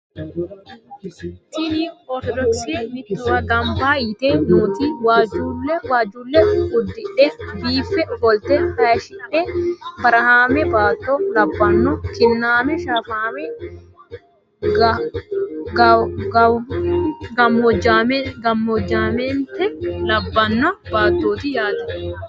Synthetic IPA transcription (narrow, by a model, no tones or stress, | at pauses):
t̪iniɔɾt̪ɔd̪ɔksimɪt̪ːɔwɐɡɐmbaːjɪt̪eːnuːt̪iwaːd͡ʒuːlːɛwaːd͡ʒuːlːɛʊd̪ːɪᶑɛbiːfːɛfɔlt̪ɛhɐʃɪᶑɛbɐɾɐhaːmɛbaːt̪ːɔlɐbːɐnːɔkɪnːaːmɛʃaːfaːmɛ | ɡ | ɡɐmɔd͡ʒamɡɐmːɔd͡ʒːaːmɛnt̪ɛlɐbːɐnːɔbaːt̪ːoːt̪ɪjaːt̪ɐ